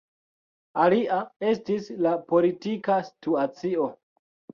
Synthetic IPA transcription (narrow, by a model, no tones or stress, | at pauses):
aliʔae̞stislapo̞litikastuat͡sio̞